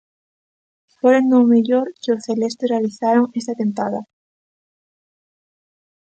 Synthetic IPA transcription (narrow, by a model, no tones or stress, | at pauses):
feɾend̪omeʎoɾkeoθelest̪erealiθaɾoŋest̪at̪ẽmp̪aða̰